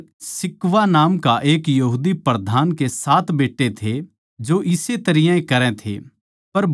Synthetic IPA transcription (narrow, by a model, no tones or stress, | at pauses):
sɪkʋanaːmkaʔeːkjɐɦuːd̪ipɾɐd̪ʱaːnkesaːt̪beːʈːet̪ʰe | d͡ʒoʔɪset̪ɐɾɪjãẽkɐɾɛ̃t̪ʰḛ | pɐɾb